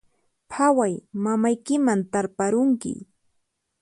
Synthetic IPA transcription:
pʰawajmamajkɪmant̪aɾpaɾʊŋkɪ̰

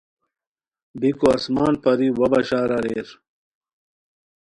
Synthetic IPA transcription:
bikoɐsmaːnpɐɾiwɐbɐɕaːɾɐɾeɾ

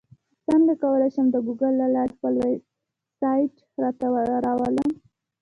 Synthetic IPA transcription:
səŋɡakawəlajʃəmd̪əɡuɡəlːalɑɾpəlweb | sɑjʈ | ɾɑt̪awəɾɑwələm

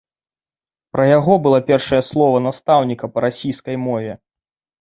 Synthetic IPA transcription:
pɾɐjaɣɔbɨlˠapʲɛrʂɐjɐslˠɔvɐnast̪awnʲikɐpɐɾasʲijskɐjmɔvʲɛ

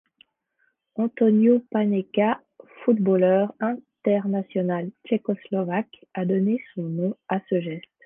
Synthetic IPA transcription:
ɑ̃t̪ɔnjopanɛka | fut̪bolœʁɛ̃t̪ɛʁnasjɔnalt͡ʃekɔslɔvakad̪ɔnesɔ̃nɔ̃asəʒɛst̪

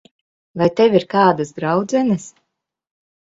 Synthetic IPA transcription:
vajt̪ɛviɾkaːd̪asd̪ɾawd̪zɛnɨs

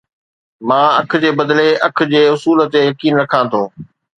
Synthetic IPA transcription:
mãːɐk̆ʰd͡ʑeːbɐd̪leɐk̆ʰd͡ʑeːʊsuːlət̪ejɐkiːnɾɐkʰãːt̪ʰoː

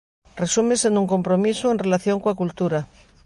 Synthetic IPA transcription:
resumesẽnd̪uŋkompɾomisuenrelaθjoŋkoakult̪uɾa

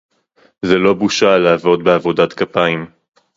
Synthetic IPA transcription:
zelo̞buʃalaːvo̞d̪beavo̞dat̪kapaim

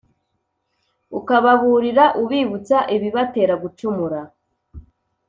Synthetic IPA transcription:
ukaβaβuɾiɾaʔuβiβut͡saʔiβiβate̞ːɾaɡut͡ʃumuɾa

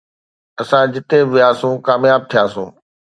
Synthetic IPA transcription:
ɐsãd͡ʑɪt̪eʋɪjaːsũkaːmjaːb̚t̪ʰijaːsṵ̃ː

